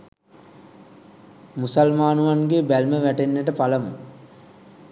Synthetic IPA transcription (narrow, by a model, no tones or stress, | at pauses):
musalmaːnuʋanɡebælməʋæʈenːəʈəpaləmṵ